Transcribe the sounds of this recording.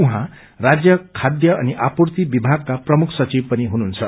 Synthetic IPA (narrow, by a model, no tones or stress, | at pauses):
uɦã | rad͡zjʌkʰːad̪jʌʌniʔapurt̪ibibʱaɡ̚kaprʌmukʰsʌt͡sib̚pʌniɦunuːnt͡sʰʌ